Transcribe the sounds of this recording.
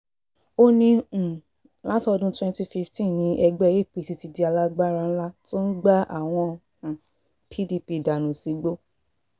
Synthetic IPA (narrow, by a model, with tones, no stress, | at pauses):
o˧nĩ˧˨ | la˦tɔ˧dũ˦twɛ̃˧nti˧fi˧ftĩ˦˨nĩ˨˧˦ʔɛ˧ɡ͡bɛ˦˨je˦˨pi˨ti˧ti˧di˧˦a˧la˦ɡ͡ba˦ɾã˧n̩˦la˦to˦n̩˦ɡ͡ba˦a̰˦˨w̃ɔ̃˧˨ | pʰi˦di˧pi˧˨da˨nũ˨si˨˦ɡ͡bo˦